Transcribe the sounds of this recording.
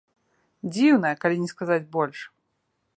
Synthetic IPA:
d͡zʲiwnɐjɛkalʲinʲɛskazad͡zʲbɔlʲʂ

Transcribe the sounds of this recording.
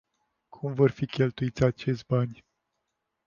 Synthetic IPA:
kʰumvo̞rfikʲe̞lt̪uit̪sʲat͡ʃe̞ʃʲbanʲ

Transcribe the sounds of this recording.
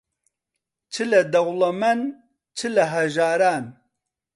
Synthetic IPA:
t͡ʃʰɨlɐd̪ɐɣlɐmɐn | t͡ʃʰɨlɐɦɐʒaːɾaːn

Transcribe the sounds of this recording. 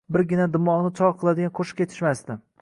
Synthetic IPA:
bɪɾɡʲɪnad̪ɪmːɒnɪt͡ʃʰɒɾqʰɨlˠad̪ɪɡʲanqʰoʃɪ̥kʲʰet̪ʰɪ̥ʃmast̪ɪ

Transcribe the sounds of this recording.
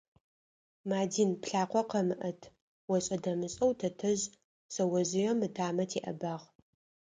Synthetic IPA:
maːdiːnpɬaːqʷɔqɐmɨʔɐtʰ | wɔɕʼɐdɐmɨɕʼɐwtʰɐtʰɐʑ | sɐwɐzɪjɛmɨtʰaːmɐtʰeːʔɐ̰baːʁ

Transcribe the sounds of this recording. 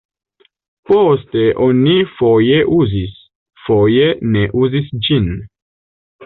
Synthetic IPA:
poste̞ʔonifo̞je̞ʔuzis | fo̞je̞ne̞ʔuzisd͡ʒin

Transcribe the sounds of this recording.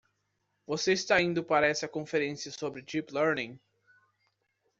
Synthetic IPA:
voseɪst̪aĩnd̪ʊpaɾɐɛsɐkõfeɾẽsijɐsobɾɪt͡ʃiplɛɾnĩŋ

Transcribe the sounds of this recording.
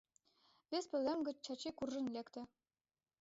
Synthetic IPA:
vʲespɘ̆lemɡɘ̆t͡ɕt͡ɕɑt͡ɕikurːɘ̆nlʲekt̪ɘ̆

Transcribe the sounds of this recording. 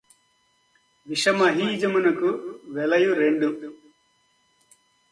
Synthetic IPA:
ʋiʃɐmɐɦiːd͡ʒɐmunɐkuʋɛlɐjuɾeɳɖu

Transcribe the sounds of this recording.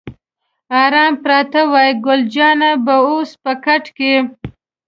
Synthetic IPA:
ɑɾɑmpɾɑt̪awɑjɡʊld͡ʒɑnabaospəkaʈke

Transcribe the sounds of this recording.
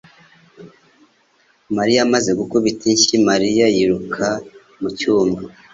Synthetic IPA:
maɾijamaze̞ɡukuβitiɲʃimaɾijajiɾukʰa | mucuːmba

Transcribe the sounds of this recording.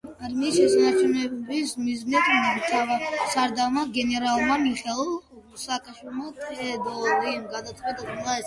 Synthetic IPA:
aɾmiːsʃɛsanat͡ʃʰunɛbismiznit̪ʰmt̪ʰaasaɾd̪amaɡɛnɛɾalˠmamiχɛlˠ | saːkʼaʃwilˠmat̪ʼʰɛd̪ɔɾimɡad̪at̪sʼqʼwɛt̪ʼɛmɛlˠaɛs

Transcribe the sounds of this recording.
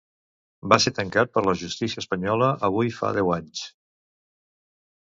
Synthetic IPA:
baset̪əŋkat̪̚pəɾləʒust̪isiəspəɲɔləʔəβ̞ujfa̰ðɛwaɲs

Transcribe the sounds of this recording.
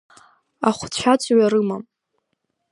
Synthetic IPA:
aχʷt͡ɕʷʰat͡sʰʼɥaɾɨmam

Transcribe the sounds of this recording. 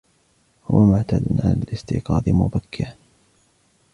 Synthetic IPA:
hʊwamʊʕt̪aːd̪ʊnʕalalɪst̪ɪ̰ːqɑːd̪ˤɪmʊbakʰːɪʕ

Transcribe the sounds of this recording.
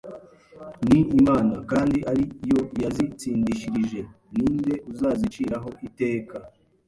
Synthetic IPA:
niːmaːnakaːndiʔaɾijo̞jazit͡siːndiʃiɾiʒe̞ | niːnde̞ʔuzaːzit͡ʃiːɾaɦo̞ʔite̞ːka

